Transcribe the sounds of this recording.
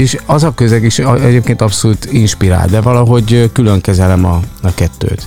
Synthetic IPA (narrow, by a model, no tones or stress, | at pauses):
eːʃɒzɒkøzɛkiʃɛɟeːpkeːnt̪ɒpsoluːt̪inʃpiɾa̰ːld̪ɛvɒlɒɦo̞ɟkyløŋkɛzɛlɛmɒɒkɛt̪ːø̰ːt̪